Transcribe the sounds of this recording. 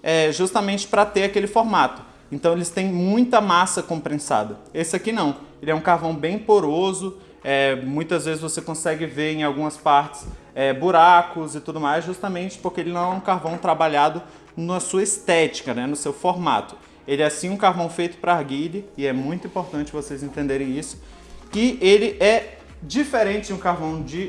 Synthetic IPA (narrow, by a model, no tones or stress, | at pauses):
ɛʒust̪ɐmẽnt͡ʃɪ̥pɾɐt̪eɾakelɪfoɾmat̪ʊ̥ | ẽnt̪ɐ̃w̃elɪst̪ẽj̃mũj̃t̪ɐmasɐkõpɾẽsa̰d̪ɐesɪakinɐ̃w̃elɪɛũkaɾvɐ̃w̃bẽj̃poɾozʊ | ɛmũj̃t̪ɐzvezɪzvosekõsɛɡɪveɾẽj̃awɡũmɐspaɾt͡ʃɪ̥sɛbuɾakʊzɪt̪ud̪ʊmajzʒust̪ɐmẽnt͡ʃɪ̥poɾkeelɪnɐ̃w̃ɛũkaɾvɐ̃w̃t̪ɾabaʎad̪ʊ | nɐsuɐist̪ɛt͡ʃi̥kɐnɛnʊsewfoɾma̰t̪ʊ̥ | elɪɛasĩũkaɾvɐ̃w̃fejt̪ʊ̥pɾɐaɾɡilɪɪɛmũj̃t̪ʊĩpoɾt̪ɐ̃nt͡ʃɪvosezẽnt̪ẽnd̪eɾẽj̃isʊ̥ | kɪelɪʔɛ | d͡ʒifeɾẽnt͡ʃɪd͡ʒũkaɾvɐ̃w̃d͡ʒɪ